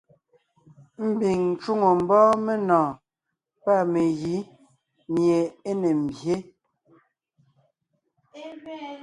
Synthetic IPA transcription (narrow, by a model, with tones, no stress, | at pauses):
m̩˦bi˨ŋn̩˨t͡ʃu˦ŋo˨m̩˨bɔː˦me˦nɔ̃ː˨ | pa˦˨me˨ɣi˨˦ | mje˨e˦ne˨m̩˨bje˦